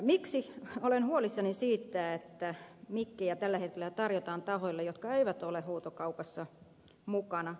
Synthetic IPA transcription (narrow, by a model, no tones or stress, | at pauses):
miksiolenhuolisːɑnisiːt̪ːæet̪ːæmikːejɑt̪ælːæhet̪̚kelæt̪ɑrjot̪ɑːnt̪ɑhoilːejot̪̚kɑeiʋæt̪olehoːt̪okɑupɑsːɑ | mukɑnɑ